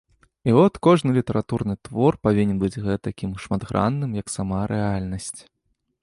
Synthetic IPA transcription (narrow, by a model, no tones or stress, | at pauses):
iɔt̪kɔʐnɨlʲit̪ɐɾʔat̪urnɨt̪vɔrpavʲinʲɛnbɨd͡zʲɣɛt̪akʲimʂmad̪ɣɾʔa̰nːɨmjɐksamaɾʔɛalʲnɐsʲt͡sʲ